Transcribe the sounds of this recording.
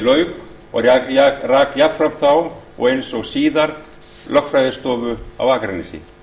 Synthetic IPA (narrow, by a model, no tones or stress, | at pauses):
lœːɥk | ɔ̰ɣraːkjapfɾamθaw | ɔ̰ɣejnsɔɣsiːðaɾ | lʔœxkfɾajðɪst̪ɔːvʏa̰waːkɾɛnːɪsɪ̰